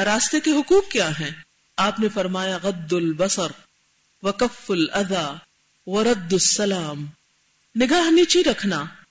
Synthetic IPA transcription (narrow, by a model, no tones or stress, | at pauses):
ɾaːst̪ekeɦʊkuːkkjaːɦɛ̃ː | aːpnefɐɾmaːjaɣɐd̪ːʊlbɐsəɾ | wɐkɐfːʊlɐd̪aː | ʋɐɾɐd̪ːʊsːɐlaːm | nɪɡaːɦniːt͡ʃiɾɐkʰnaː